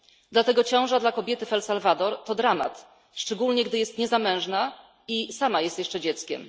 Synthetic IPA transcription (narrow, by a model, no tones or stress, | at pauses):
d̪lat̪ɛɡɔt͡ɕɔ̃w̃ʐad̪lakɔbʲjɛt̪ɘfɛlsalvad̪ɔɾt̪ɔd̪ɾama̰t̪ | ʂt͡ʂɛɡulɲɛɡd̪ɘjɛst̪ɲɛzamɛ̃w̃ʐna | isamajɛst̪jɛʂt͡ʂɛd͡ʑɛt̪skʲɛ̰m